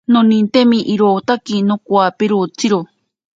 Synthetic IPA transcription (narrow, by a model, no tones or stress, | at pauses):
nonĩnt̪emĩʔiɾot̪akinokwapeɾot͡siɾo